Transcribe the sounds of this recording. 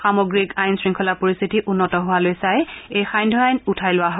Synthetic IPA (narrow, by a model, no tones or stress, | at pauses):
xamoɡɹikajnsɹiŋkʰɔlapoɹist̪ʰitiʔunːɔtɔɦʊwalojsajejxajndʱɔajnutʰajlʊwaɦɔ